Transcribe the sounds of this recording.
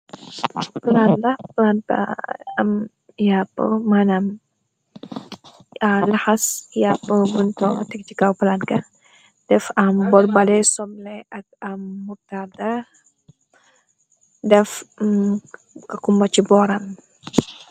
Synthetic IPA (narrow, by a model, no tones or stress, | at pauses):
pəlanlɐhpəlanta̰m | japə̰manam | alahasjapəbuntɔŋ̰tɛk̚t͡ʃikawpəlankɐ | d̥ɛfambɔlbalɛsɔmlɛɐk̚amːutada | dɛf | kakumbat͡ʃibɔɾam